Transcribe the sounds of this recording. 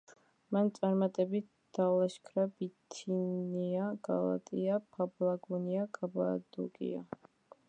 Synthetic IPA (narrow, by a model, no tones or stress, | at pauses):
mant̪sʼaɾmat̪ʼɛbit̪̚ | d̪̥alˠaʃkʰɾabit̪ʰiniaɡ̥alˠa̰t̪ʼiapʰablˠaɡuniakʼaba̰d̪ṵɡʼḭa̰